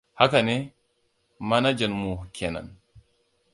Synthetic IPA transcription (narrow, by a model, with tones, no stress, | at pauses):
ha˦ka˨nɛ˦ | ma˦na˦d͡ʒa˨nmu˨kʰɛ˨na̰˨n